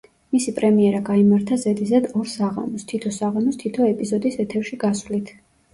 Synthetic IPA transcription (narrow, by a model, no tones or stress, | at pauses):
misipʼɾɛmiɛɾaɡaimaɾt̪ʰazɛd̪izad̪ɔɾsaʁa̰mɔst̪ʰit̪ʰɔsaʁamɔst̪ʰit̪ʰɔɛpʼizɔd̪isɛt̪ʰɛɾʃiɡasvlit̪ʰ